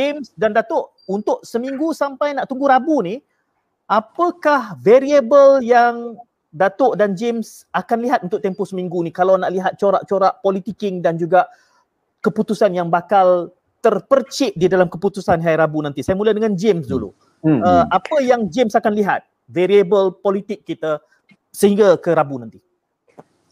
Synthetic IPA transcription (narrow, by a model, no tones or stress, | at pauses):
d͡ʒɪmsdandat̪ʊʔ | unt̪ʊʔ̚səmiŋɡusampajnaʔt̪uŋɡuɾabuni | ʔapəkahveɾiebəljaŋ | dat̪ʊʔdand͡ʒɪms | akanliɦat̪̚unt̪ʊʔ̚t̪ɛmposəmiŋɡunikalawnaʔliɦat̪̚t͡ʃoɾaʔ̚t͡ʃoɾaʔpɔlit̪ikɪŋdand͡ʒuɡaʔ | kəput̪usanjaŋbakal | t̪ərpərt͡ʃɪʔ̚didalamkəput̪usanɦajɾabunant̪isajamuladəŋãnd͡ʒɪmsdulṵ | əapəjaŋd͡ʒɪmsakanliɦa̰t̪̚ | veɾiebəlpolit̪ɪkːit̪a | səɦiŋɡakəɾabunãnt̪i